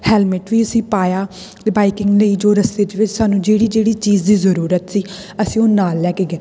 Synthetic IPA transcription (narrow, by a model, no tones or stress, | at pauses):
hɛːlmɪʈʋiːəsĩːpaːjaː | t̪eːbaːikɪŋɡləiːd͡ʒoːɾəst̪eːd̪eːʋɪt͡ʃsaːnũːd͡ʒeːɽiːd͡ʒeːɽiːt͡ʃiːd͡ʒd̪iːzəɾuːɾət̪siː | əsĩːoːnaːlːɛːkeːɡeː